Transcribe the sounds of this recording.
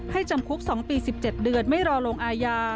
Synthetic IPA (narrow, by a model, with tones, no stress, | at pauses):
ha˥˩jt͡ɕa˧mkʰu˦˥p̚sɔː˩˦ŋpiː˧si˨˩p̚t͡ɕe˨˩t̪̚dɯ˧ənma˥˩jɾɔː˧loː˧ŋʔaː˧jaː˧